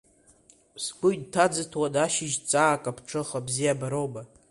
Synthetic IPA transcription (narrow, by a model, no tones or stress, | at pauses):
sɡʷʼʊjd̚tʰad͡zɨtʰwadaʃɪʒt͡sʼaːkʼapʰʈ͡ʂʰɨχabzijabaɾoba